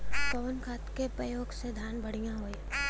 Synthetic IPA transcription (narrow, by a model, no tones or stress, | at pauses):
səʋənkʰaːt̪kepɾəjoːɡsed̪ʱjaːnbɐɽ̤ijãɦoːj